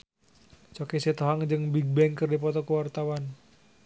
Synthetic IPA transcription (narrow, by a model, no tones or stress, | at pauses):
t͡ʃɔkisit̪oɦaŋd͡ʒɨŋbiɡ̚bɛŋkərdipɔt̪ɔkuwart̪awan